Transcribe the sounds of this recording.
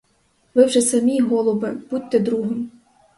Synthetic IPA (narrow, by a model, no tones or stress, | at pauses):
ʋɪwʒɛsɐmʲiɦɔlˠɔʋɪb̥ut̚ʲt̪ɛd̪ɾuɦɪm